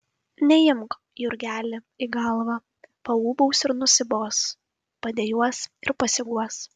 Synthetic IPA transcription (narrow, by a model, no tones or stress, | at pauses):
nʲɛjɪmk | jʊɾʲɡʲæːlʲɪ | iɡɐlˠʋɐ | pɐuːbɐʊsɪɾnʊsʲɪboːs | pɐd̪ʲeːjuɔsɪɾpɐsʲɪɡuɔs